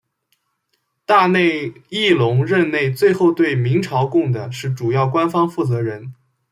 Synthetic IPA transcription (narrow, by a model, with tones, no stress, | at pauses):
t̪a˥˧ne˥˩˧ɪi˥˩lʊ˧˥ŋɻə˥˧nne˥˧ɪt͡swe˥˧ɪxo˥˧ʊt̪we˥˩ɪmi˧˥ŋʈ͡ʂʰɑ˧˥ʊkʊ˥˩ŋd̪ə˩ʂɻ̩˥˩ʈ͡ʂu˨˩jɑ˥˩ʊkwa˥nfɑ˥ŋfu˥˩t͡sɤ˧˥ɻə˧˥n